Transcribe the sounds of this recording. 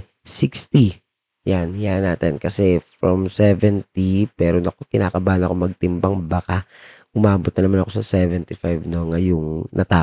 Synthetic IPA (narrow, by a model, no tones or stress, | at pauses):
sikst̪i | janjanaːt̪ɛnkɐsɛfɹomsɛvɛnt̪ipɛːɾonɐkokɪnaːkɐbaːnɐkomɐɡ̚t̪ɪmpɐŋbaka | ʔʊmaːbot̪̚nɐnɐmanɐko̞sɐsɛːvɛnt̪ɪfajvnoŋɐjoŋnʔɐt̪aː